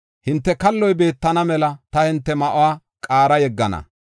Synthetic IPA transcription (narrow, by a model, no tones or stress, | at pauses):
hɪnt̪ːɛkɐlːɔjbe̞ːt̪ːɐnɐmɛlɐt̪ɐhɪnt̪ːɛmɐʔʊwaː | kʼaːɾɐjɛɡːɐnɐ̰